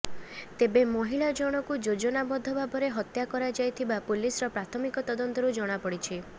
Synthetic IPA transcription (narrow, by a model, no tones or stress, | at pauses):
t̪ebemɔɦiɭad͡ʒɔɽ̃ɔkud͡ʒod͡ʒɔnabɔd̪ʱɔbʱadɔɾeɦɔt̪jakɔɾad͡ʒajt̪ʰibapulisɔɾɔpɾat̪ʰɔmikɔt̪ɔd̪ɔnt̪ɔɾud͡ʒɔɽ̃apɔɽit͡ʃʰi